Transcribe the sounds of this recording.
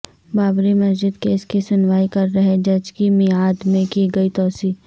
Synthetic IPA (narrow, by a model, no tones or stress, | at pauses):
baːbɾimɐsd͡ʒɪd̪keːskisʊnʋaːikɐɾːɐɦed͡ʒɐd͡ʒkimɪiaːd̪mẽkiɡɐit̪ɔːsiː